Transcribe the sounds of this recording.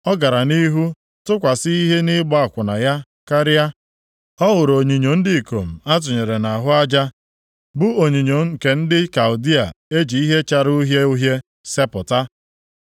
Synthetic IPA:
ɔ˦ɡa˨ɾa˨ni˦ɦu˦ | tʊ˦kʷa˨si˦i˦ɦe˦nɪ˦ɡ͡bɔ˦a˨kʷʊ˨na˨ja˦ | ka˦ɾɪ˦a˦ | ɔ˦ɣʊ˨ɾo˨ɲi˨ɲo˨n̩˦dɪ˦˨ko˨m̩˨a˦t̬ʊ˨ɲe˨ɾe˨na˨ɦʊ˦a˦d͡ʒa˦ | bʊ˦o˨ɲi˨ɲo˨ŋ̩˦˨ke˨n̩˦dɪ˦ka˨ʊ˨di˦a̰˨e˦d͡ʒi˨i˦ɦe˦t͡ʃa˦ɾu˦ɦje˦u˦ɦje˦ | se˦pʊ˨ta˦

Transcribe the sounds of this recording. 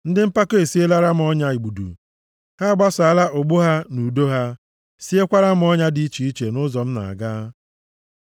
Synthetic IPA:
n̩˦dɪ˦m̩˦pa˦ke˦e˨si˦e˦la˦ɾa˦m̩˨ɔ˦ɲa˦i˨ɡ͡bu˨dṵ˨ | ha˦ɡ͡ba˦sa˦la˦ʔʊ˨ɡ͡bʊ˦ɦa˦nu˨do˦ɦa˦ | si˦e˦kʷa˦ɾa˦m̩˨ɔ˦ɲa˦di˨˦i˦t͡ʃi˨i˦t͡ʃe˨nʊ˦zɔ˨m̩˦na̰˨a̰˨ɡaː˦

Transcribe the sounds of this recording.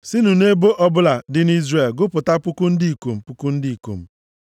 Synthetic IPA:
sɪ˦nu˨ne˦bo˦ʔɔ˦bʊ˦la˨dɪ˦n˦i˦zre˨lɡʊ˦pʊ˨ta˦pʊ˦kʊ˦n̩˦di˦i˨ko˨m̩˨pʊ˦kʊ˦n̩˦di˦i˨ko̰˨m̩˦

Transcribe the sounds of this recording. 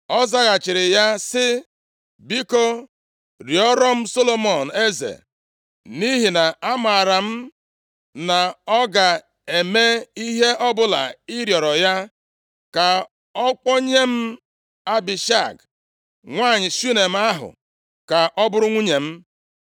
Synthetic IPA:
ɔ˦za˦ɣa˨t͡ʃɪ˨ɾɪ˨ja˦sɪ˦ | bi˦ko˦ | ɾjɔ˦ɾɔ˦m̩˦so˦lo˦mɔ˨n̩˨e˦zḛ˨ | ni˦ɦi˨na˨a˦ma˨a˨ɾa˨m̩˦ | na˨ɔ˦ɡa˨ | e˨me˦i˦ɦe˦ʔɔ˦bʊ˦la̰˨ɪ˦ɾjɔ˨ɾɔ˨ja˦ | ka˨ | ɔ˦k͡pɔ˦ɲe˦m̩˦ | a˦bi˨ʃa˦˨ɡ | ŋʷaː˦˨ɲɪ˨su˦ne˨m̩˦a˦ɦʊ̰˨ | ka˨ʔɔ˦bʊ˦ɾʊ˦ŋʷu˦ɲe˨m̩˦

